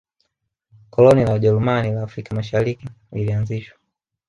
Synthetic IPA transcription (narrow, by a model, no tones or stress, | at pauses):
kɔlɔnilaʄɛlumanilaːfɾikamaʃaɾiki | lilianziʃwa